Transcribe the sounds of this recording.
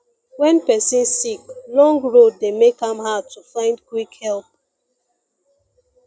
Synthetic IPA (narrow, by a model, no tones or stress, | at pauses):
wɛ̃npɛsĩnsiklɔ̃ŋɡɹod̚ːemekãmhad̚tufãɪ̃ndkwikhɛlˠp̚